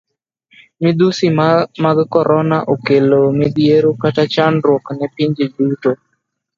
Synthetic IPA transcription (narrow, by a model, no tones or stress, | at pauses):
mɪd̪usimaɡkɔɾʔɔnaʔokelomɪd̪jeɾokatat͡ʃanɾwɔknɛpiɲd͡ʒeduto